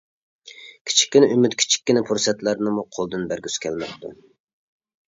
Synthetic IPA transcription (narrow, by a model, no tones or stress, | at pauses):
kʲʰi̥t͡ʃʰi̥kʲːinɪymyt̪kʲʰi̥t͡ʃʰi̥k̚ʲːɪnɪpʰuɾsɛt̪læɾnɨmuqʰolˠd̪ɨnbæɾɡʲyskʲʰɛlmɛp̚t̪ṵ